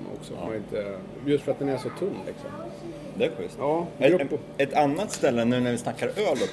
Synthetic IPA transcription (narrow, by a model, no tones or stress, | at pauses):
ɔ̰ksɔanɪnt̪ʰə | jɵst̪fœɾat̪̚d̪ɛnæʂɔt̪ʰɵnːlɪ̰ksɔ̰m | d̪ɛæɾɧʏ̰st̪ɑː | ɛt̪anːat̪st̪ɛlːənʉ̟ːnæɾvɪsnakːaɾøːlɔ